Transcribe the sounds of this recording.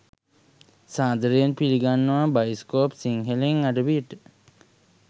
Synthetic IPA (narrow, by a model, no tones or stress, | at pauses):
saːd̪əɾəjenpiliɡanːəʋabajskoːpsiŋɦeleŋaɖəʋiʈ